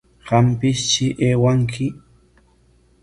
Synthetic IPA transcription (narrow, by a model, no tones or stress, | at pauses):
ɢɑmpɪst͡ʃɪʔeːwaŋkʰɪ